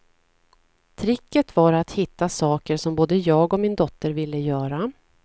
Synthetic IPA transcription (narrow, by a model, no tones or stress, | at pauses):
t̪ʰɾɪkːət̪vaɾat̪hɪt̪ːasɑːkəɾʂɔmboːd̪əjɑːɡɔmɪnd̪ɔt̪ːəɾvɪlːəjœːɾa